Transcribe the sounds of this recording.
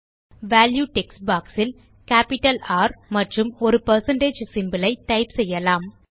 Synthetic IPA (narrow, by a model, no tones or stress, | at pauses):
ʋaːljuːʈɛksbaːksɪl | kaːpɪʈːɐlaːɾmɐʈrɯmɔɾɯpɐɾsɐɳɖeːd͡ʒsɪmbɐlɐɪt̪ɐɪpsɛjːɐlaːm